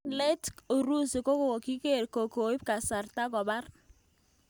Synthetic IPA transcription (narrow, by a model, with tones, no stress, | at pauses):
lɛ˦to˨ɾu˦si˨ko˦ko˨o˨ki˦ke˦˨ɾko˨ko˨i˦p̚ka˨sa˨rta˦kɔ˨ba˦r